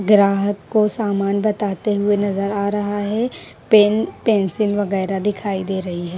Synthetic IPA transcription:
ɡɾaːɦəkːosaːmaːnbɐt̪aːt̪eɦʊenɐzəɾaːɾɐɦaɦɛ | peːnpɛːnsɪlʋɐɣɛːɾad̪ɪkʰaːid̪eːɾɐɦiɦɛː

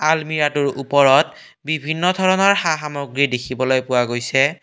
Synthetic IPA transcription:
almiɹatuɹupɔɹɔt | bibʱinːɔdʱɔɹɔnɔɹxaxamoɡɹidekʰibɔlojpʊwaɡojsɛ

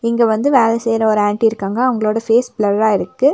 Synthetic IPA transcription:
ɪŋɡeʋɐnd̪ɯʋeːlɛsejɾɐɔɾɯaːɳʈiɪɾɯkːaːŋɡɐːʋɐŋɡɐɭoːɽɐfeːsblɐɾaːɪɾɯkːɯ

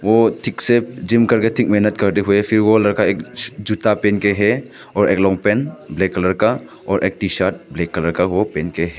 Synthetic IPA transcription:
otʰik̚sed͡ʒimkɐɾɡatʰik̚menɐt̚kɐɾdiɦujepʰiɾwɔlɐɾkaek̚d͡ʒutapenkeɦe | ɔɾʔek̚lɔŋpenblekːɐlɐɾka | ɔɾʔek̚tisaɾt̚blekːɐlɐɾkawopenkeɦe

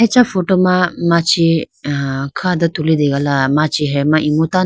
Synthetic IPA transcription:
ɛt͡ʃafoʈomãmãt͡ʃi | kʰãd̪ət̪ulid̪eɡalamãt͡ʃiɦɛmãʔimut̪a

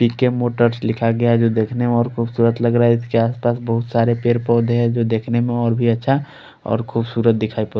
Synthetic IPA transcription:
pikːemoʈəɾslɪkʰaɡəjaɦɛd͡ʒod̪ekʰnemeɔːɾkʰubsuːɾət̪ləɡɾaɛskeaːspasbəɦut̪saɾepeɾpɔd̪ɦɛd͡ʒod̪ekʰnemẽɔːɾbʱiətːʃʰa | ɔ̰ːɾkʰubsuɾət̪̚d̪ɪkʰaipɔ

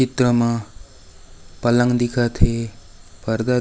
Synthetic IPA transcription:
it̪ɾʌmã | pʌlãŋd̪ikʰat̪ʰe | pʌɾd̪a

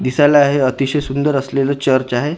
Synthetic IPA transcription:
d̪isajlaːɦeət̪iɕəjsund̪əɾəslelət͡ɕəɾt͡ɕaɦe

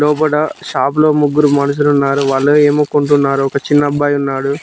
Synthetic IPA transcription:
lɔːpɐɽɐʃaːp̬lo̞ːmuɡːuɾumɐnɐs̬ulunːaːɾuʋaːɭːoːeːmukːuɳʈ̬unːaːɾuɔkɐt͡ʃinːɐbːaːjunːaːɽu

